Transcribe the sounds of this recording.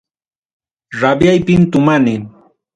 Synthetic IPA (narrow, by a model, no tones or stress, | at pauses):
ɾabjajpɪmt̪ʊmanɪŋ